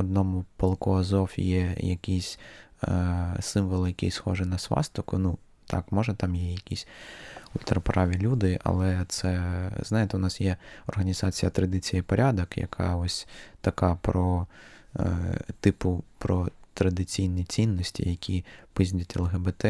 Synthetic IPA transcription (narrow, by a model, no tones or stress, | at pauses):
ɔd̪nɔmʊpɐlˠkɔɐzɔfjɛjɐ̰kʲisʲ | sɪmʋɔlˠjɐkʲḭjsxɔʒɛnɐsʋɑ̰st̪ɔkʊnu | t̪ʰɑ̰kmɔʒɐt̪ɑmjɛjɐkʲisʲʊlʲt̪ɾɐpɾɑʋʲilʲud̪ɪʔɐ̰lˠɛt̪sɛznɑjet̪ɛʊnɑsjɛɔrɦɐnʲizɑt͡sʲijɐt̪ɾɐd̪ɪt͡sʲijɐpɔɾʲad̪ɔkjɐ̰kʰɑ̰ɔsʲt̪ɐkɑpɾɔ | t̪ɪpʊpɾɔt̪ɾɐd̪ɪt͡sʲijnijt͡sʲinːɔsʲtʲḭjɐkʲʰipizʲlʲɐtʲelˠɦebet̪ɛ